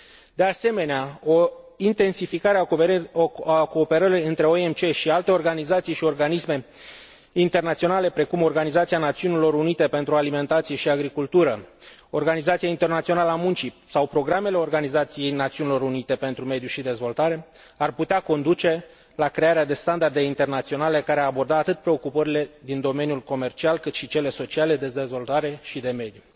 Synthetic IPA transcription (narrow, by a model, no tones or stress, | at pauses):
d̪e̞ase̞me̞neao̞int̪e̞nsifikaɾea | ko̞ːpe̞ɾəɾiɨnt̪ɾe̞oemt͡ʃe̞ʃialt̪e̞o̞rɡanizat̪sijʃio̞rɡanisme̞ | int̪e̞rnat̪sio̞nale̞pɾe̞kumo̞rɡanizat̪sianat̪siunilo̞ɾunit̪e̞pe̞nt̪ɾualime̞nt̪at̪sije̞ʃiaɡɾikult̪uɾəo̞rɡanizat̪sijaint̪e̞rnat̪sio̞naləamunt͡ʃisawpɾo̞ɡɾame̞leo̞rɡanizat̪sije̞jnat̪siunilo̞ɾunit̪e̞pe̞nt̪ɾume̞d̪juʃid̪e̞zvo̞lt̪aɾe̞ | arput̪eako̞nd̪ut͡ʃe̞ | lakɾe̞aɾead̪e̞st̪and̪ard̪e̞int̪e̞rnat̪sio̞nale̞kaɾeaabo̞rd̪at̪at̪ɨt̪̚pɾe̞o̞kupəɾile̞d̪ind̪o̞me̞njulko̞me̞rt͡ʃialkɨt̪ʃit͡ʃe̞le̞so̞t͡ʃiale̞d̪e̞d̪e̞zvo̞lt̪aɾe̞ʃid̪e̞me̞d̪ju